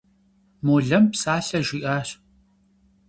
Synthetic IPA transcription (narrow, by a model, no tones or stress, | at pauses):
moːɮɐmpsaːɬɐʒʷiːʔaːɕ